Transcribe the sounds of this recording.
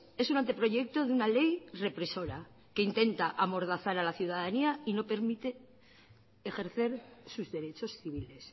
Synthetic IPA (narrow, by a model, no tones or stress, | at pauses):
e̞sunant̪e̞pɾo̞ʝe̞k̚t̪o̞ðunale̞jre̞pɾe̞so̞ɾa | ke̞int̪e̞nt̪aʔamo̞ɾð̞aθaɾalaθjuðaðaniaino̞pe̞ɾmit̪e̞ː | xe̞ɾθe̞ɾsuzðe̞ɾe̞t͡ʃo̞sθiβ̞ile̞s